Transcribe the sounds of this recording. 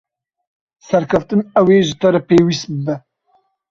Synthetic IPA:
sɛɾkʰɐft̪ɨnɛweːʒɨt̪ɐɾɛpeːwist̪̚bɨbɛ

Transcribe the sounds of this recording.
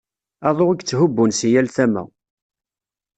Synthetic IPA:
ɑðˤoʁiɡt͡sːɦʊbːunsijælθæmæ̰

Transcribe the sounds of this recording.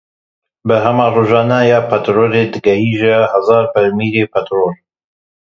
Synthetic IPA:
bəɦɐmɑːroːʒɑːnajaːpʰat̪ɾoːled̪ɨɡɐhiːʒahɐzɑːɾpɐɾmiːɾeːpʰat̪ɾoːl

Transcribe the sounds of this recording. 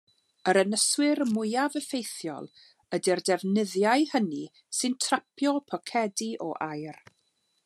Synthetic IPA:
əɾənəswɪɾmʊjavəfejθjɔ̰lˠ | ədɛrdɛvnɪðjajhəni | sɨntʰrapʰjɔpʰɔkʰɛdiʔɔ̰ʔajr

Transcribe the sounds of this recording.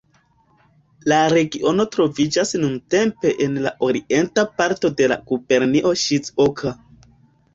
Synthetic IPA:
laɾe̞ɡio̞no̞tɾo̞vid͡ʒasnunte̞mpe̞ʔenlaʔo̞ɾiʔe̞ntapaɾto̞de̞la̰kupe̞ɾniʔo̞ʃit͡sokʰa

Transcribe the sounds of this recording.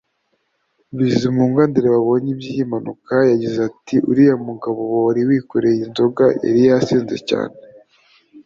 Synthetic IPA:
βizimuːŋɡandiɾeβaβo̞ɲibijimanukajaɟizatiʔṵɾijamuɡaβoβoɾiwiːkoɾejinzo̞ɡaʔḛɾijasiːnzḛca̰ːne

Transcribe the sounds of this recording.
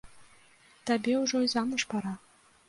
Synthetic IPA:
t̪abʲeuʐojzɑnɤʂpɑɾɑ

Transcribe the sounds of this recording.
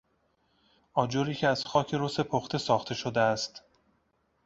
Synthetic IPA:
ʔɒːd͡ʒoɾiːcʰeæz̥xɒːcʰe̞ɾose̞pʰoxt̪ʰe̞sɒːxt̪ʰe̞ʃod̪eæst̪

